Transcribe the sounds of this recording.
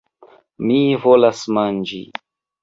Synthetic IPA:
mivolasmand͡ʒḭ

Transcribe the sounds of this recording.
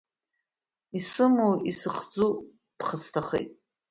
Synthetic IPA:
isɨmuwisɨχd͡zu | d̥χəstʰaχḛjtʼ

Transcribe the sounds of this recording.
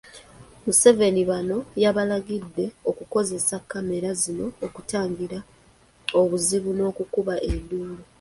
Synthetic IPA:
muse̞ve̞niβano̞jaβalaɡidːe̞okuko̞ze̞sakːame̞ɾazino̞ːkutaːŋɡiɾa | oβuziβuno̞ːkukuβaʔenduːlu

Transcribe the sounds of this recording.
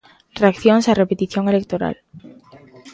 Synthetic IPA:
reakθjonsarepet̪iθjoŋelek̚t̪oɾa̰l

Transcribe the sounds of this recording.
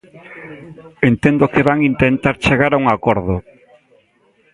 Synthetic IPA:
ent̪end̪ʊkɪβaŋint̪ent̪aɾt͡ʃeɣaɾauŋakɔɾðʊ

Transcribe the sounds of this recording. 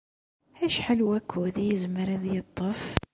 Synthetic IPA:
æʃħalwækʰːuðæjəzməɾæðjət̪ˤːəf

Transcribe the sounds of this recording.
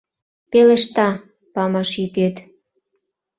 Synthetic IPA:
pelĕʃt̪ɑ | pɑmɑʃjyket̪

